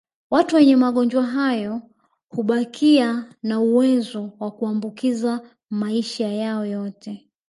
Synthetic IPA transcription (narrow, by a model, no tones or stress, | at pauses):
watuwɛɲɛmaɠɔnd͡ʒwaɦajɔ | huɓakʰianauwɛzɔwakuambukiza | maiʃajaɔjɔtʰɛ